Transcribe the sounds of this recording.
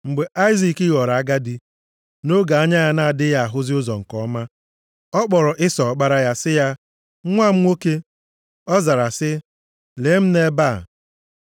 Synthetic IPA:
ŋ͡m̩˨ɡ͡be˨ʔa˦ɪ˦zi˨kɪ˦ɣɔ˨ɾa˨a˦ɡa˦di˦ | no˦ɡa˨a˦ɲa˦ja˦na˦a˨dɪ˦ja˦a˨ɦʊ˦zɪ˦ʊ˦zɔ˨ŋ̩˨kɔ˨˦ma˦ | ɔ˦k͡pɔ˨ɾɔ˨ʔɪ˦sɔ˨k͡pa˦ɾa˦ja˦sɪ˦ja˦ | ŋʷa˦m̩˦ŋʷo˦ke˦ | ɔ˦za˨ɾa˨sɪ˦ | le˨˦m̩˦ne˦ba˦˨

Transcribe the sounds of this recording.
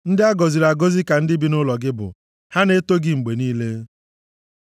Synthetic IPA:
n̩˦dɪ˦a˦ɡɔ˨zi˨ɾa˨ɡo˦zi˦ka˨n̩˦dɪ˦bi˦nʊ˦lɔ˨ɡɪ˦bʊ̰˨ | ha˦ne˦to˦ɡɪ˦ŋ͡m̩˨ɡ͡be˨niː˦le˦

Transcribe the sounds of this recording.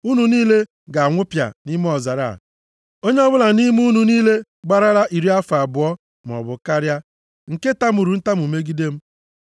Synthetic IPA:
u˦nu˨niː˦le˦ | ɡa˨a˨ŋʷʊ˦pja̰˨ni˦m˦ɔ˨za˨ɾa̰˦˨ | o˦ɲe˦ɔ˦bʊ˦la˨ni˦m˦u˦nu˨niː˦le˦ | ɡ͡ba˨ɾa˦ɾa˦ʔi˨ɾi˦a˦fa˨bʊ˨ɔ˦ | m˨ɔ̰˨bʊ˨ka˦ɾja˦ | ŋ̩˨ke˦ta˦m̩˦u˨ɾu˨n̩˦ta˦m˨u˨me˦ɡi˦de˦m̩˦

